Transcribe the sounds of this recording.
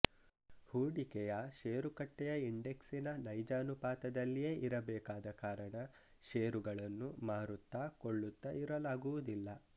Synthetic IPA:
huːɽikɛjɐʃeːɾukɐʈːɛjɐiɳɖe̞ksinɐnɐjd͡ʒaːnupaːt̪ɐd̪ɐlːijeːʔiɾɐbɛːkaːd̪ɐkaːɾɐɳɐ | ʃeːɾuɡɐɭɐnːumaːɾut̪ːaːkoɭːut̪ːɐʔiɾɐlaːɡuʋud̪ilːɐ

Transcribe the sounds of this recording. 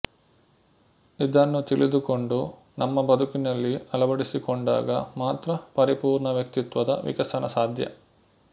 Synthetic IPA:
id̪ɐnːut̪ilid̪ukoɳɖu | nɐmːɐbɐd̪ʱukinɐlːiɐlɐbɐɽisikoɳɖa̰ːɡɐmaːt̪ɾɐpɐɾipuːɾɳɐʋjɐkt̪it̪ʋɐd̪ɐ̰ʋḭkɐsɐnɐsaːd̪ʱjɐ̰

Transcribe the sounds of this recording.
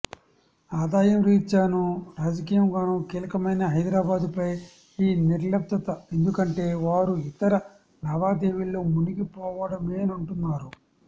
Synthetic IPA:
aːd̪aːjɐmɾiːt͡ʃaːnuɾaːd͡ʒɐk̬iːjɐmɡaːnukiːlɐkɐmɐjnɐɦɐjd̪ɾaːbaːd̪upɐj | iːniɾlɐp̚t̪ːɐt̪ɐe̞nd̪ukɐɳʈe̞ːʋaːɾuit̪ɐɾɐ | nɐʋaːd̪eːʋilːoːmuniɡipɔːʋɐɽɐmeːnɐɳʈunːaːɾu

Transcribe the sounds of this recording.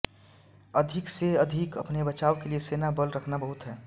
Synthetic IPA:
əd̪ʱɪkseɐd̪ʱɪkəpnebət͡ʃaːokelieseːnabəlɾəkʰnabəɦuʊt̪ɦɛː

